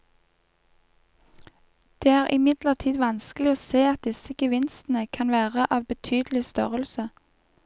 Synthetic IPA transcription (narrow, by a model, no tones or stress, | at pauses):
d̪̥eːæːʁʔɪ̰mɪd̪ləʁt̪ʰiːd̪ʋɑnsklɪoːseːɑt̪̚d̪ɪsəɡ̥əʋɪnst̪n̩əkʰɑnʋæːʁəʔɑːʋbət̪ʰyːd̪l̩ɪst̪œʁəlsə